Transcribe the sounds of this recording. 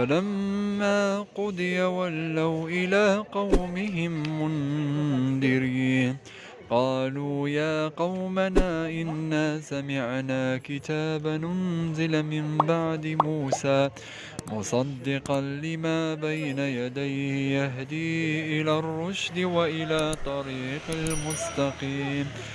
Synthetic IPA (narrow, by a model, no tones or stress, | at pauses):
falamːaːqʊd̪ˤɨjawalːawʔɪlaːqɑwmɪɦɪmːʊn | d̪ɪɾiːn | qɑːluːjaːqɑwmanaːʔɪnːaːsamɪʕnaːkɪt̪aːbanʊnzɪlmɪmbaʕd̪ɪmuːsaː | mʊsˤɑd̪ːɪqɑnlɪmaːbajnajad̪ajhɪjaɦd̪iːʔɪlaːrˤːʊʃd̪ɪwaʔɪlaːt̪ˤɑɾiːqalmʊst̪ɑqiːm